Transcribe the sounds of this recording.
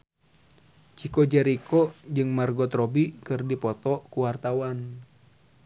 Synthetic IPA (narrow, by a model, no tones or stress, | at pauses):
t͡ʃikɔd͡ʒɛɾikʰɔd͡ʒɨŋmarɡɔt̪ɾɔbikɨrdipɔt̪ɔkuwart̪awan